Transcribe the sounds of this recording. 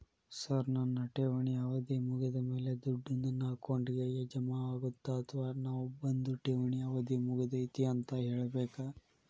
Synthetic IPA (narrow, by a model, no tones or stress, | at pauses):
sɐɾnɐnːɐʈeːʋɐɳiɐʋɐd̪imuɡid̪ɐme̞ːled̪uɖːund̪unaːkoɳɖiɡejed͡ʒɐmaaːɡut̪ːaːt̪ʰɐʋɐnaːʋubɐnd̪uʈeːʋɐɳiɐʋɐd̪imuɡid̪ɐit̪iɐnt̪ɐɦeːɭɐbeːka